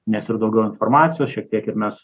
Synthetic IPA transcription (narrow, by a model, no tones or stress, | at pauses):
nʲɛsɪrd̪ɐʊɡʲɛʊɪnfoːɾmɑːt̪sʲɪjoːsʃʲiɛk̚t̪ʲiɛkɪɾmʲɛs